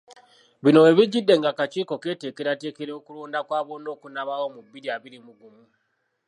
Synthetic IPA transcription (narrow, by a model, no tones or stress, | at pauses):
βino̞e̞βiɟidːe̞ŋɡakat͡ʃiːko̞ke̞ːte̞ːkeɾate̞ːkeɾeokuluːndakwaːβono̞ːkunaβawomubːiɾiaβiɾimuɡumu